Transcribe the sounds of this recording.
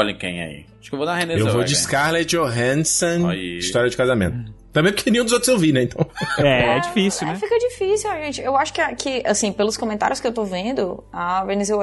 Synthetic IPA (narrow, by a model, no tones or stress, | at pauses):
ɔʎẽkḛ̃j̃ɐ̰ḭaʃkewvod̪ahẽneewvod͡ʒiskaɾled͡ʒoɦẽnsõiiʃt̪ɔɾjɐd͡ʒɪkazamḛ̃nt̪ʊt̪ːɐ̃bẽpʊɾkenĩũd̪zot̪ɾzewvinɛẽnt̪ʰɐ̃w̃ɛɛd͡ʒifisiw̪ɛfikɐd͡ʒifisiwaʒẽnt͡ʃɪewaʃʊ̥kɪakʰɪʔasĩpelʊskõmẽnt̪aɾjʊskɪewt̪ovẽnd̪ʊaveɾnizew